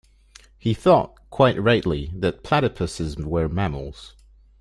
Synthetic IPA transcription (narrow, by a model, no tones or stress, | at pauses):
hiθɔʔkʰw̥aɪʔɹaɪʔliðət̚pʰl̥aɾəpʰəsɪzwə˞mamə̰l̩ˠz̥